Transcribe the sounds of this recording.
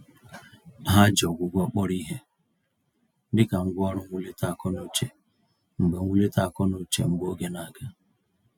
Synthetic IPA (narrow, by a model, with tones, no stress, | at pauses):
ɦa˦d͡ʒɔ˨ɡʷʊ˨ɡʷɔ˦k͡pɔ˦ɾi˦ɦe˦ | dɪ˦ka˨ŋ̩˦ɡʷʊ˦ɔ˦ɾʊ˦ŋʷu˦le˦ta˦˨kɔ˦no˦t͡ʃe˨ | ŋ͡m̩˨ɡ͡be˨˦u˦le˦ta˦˨kɔ˦no˦t͡ʃḛ˨ŋ͡m̩˦ɡ͡bo˦ɡe˦na˨ɡa˦